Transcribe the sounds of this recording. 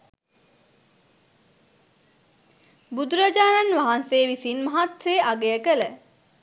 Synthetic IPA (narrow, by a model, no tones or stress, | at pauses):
bud̪uɾad͡ʒaːnanʋaɦanseːʋisinmaɦat̪seːʔaɡejəkələ